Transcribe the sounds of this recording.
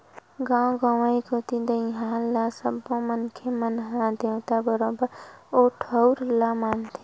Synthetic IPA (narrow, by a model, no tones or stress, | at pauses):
ɡãːw̃ɡaːʋaːikot̪id̪əĩɦãːlasəbõmənkʰemənɦãd̪et̪abəɾoːbəɾoːʈʰəʊɾlamaːnt̪ʰi̥